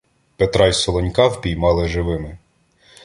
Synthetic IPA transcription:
pet̪ɾɑjsɔlˠɔnʲkɑwpʲijmɑlˠɪʒɪʋɪmɪ

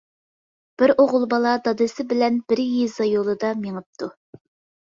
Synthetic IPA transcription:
b̥ɪɾoʁʊlˠbɑlˠɑd̪ɑd̪ɨsɪbɪlɛnb̥ɪɾjizɑjolˠɨd̪ɑmeŋɨp̚t̪ʰu

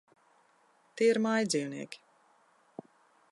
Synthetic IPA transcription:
t̪iɛiɾmajd̪ziːwnḭɛkʲi̥

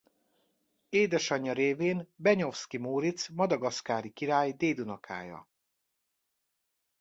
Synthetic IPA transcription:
eːd̪ɛʃɒɲːɒɾeːveːnbɛɲo̞fskimoːɾit̪smɒd̪ɒɡɒskaːɾikiɾaːjd̪eːd̪unɒkʰa̰ːjɒ̰

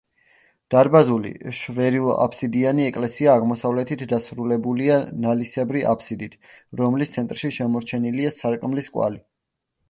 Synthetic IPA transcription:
d̪̥aɾbazulḭʃvɛɾilˠa̰pʰsid̪ianiɛkʼlɛsiaːʁmɔsavlɛt̪ʰit̪ʰd̪asɾulɛbulianalisɛbɾiʔa̰pʰsid̪it̪ʰɾɔmlist̪sʰɛnt̪ʼɾʃiʃɛmɔɾt͡ʃʰɛniliasaɾkʼmliskʼwa̰li

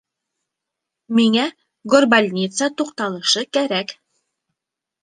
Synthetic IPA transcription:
miŋæ | ɡorbalʲnʲit̪sət̪uqt̪ɑlˠɤ̆ʃɤkæɾæk

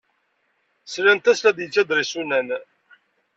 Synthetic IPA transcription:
slænt̪æslæd̪jət͡sːæd̪ɾisunæn

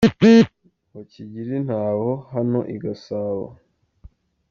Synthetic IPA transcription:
pi | haciɟiɾin̥haːhohano̞ʔiɡasaːβa̰

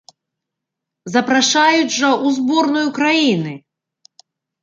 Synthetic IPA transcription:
zɐpɾaʂajuʐɐʔuzbɔrnɔjukɾajinɨ

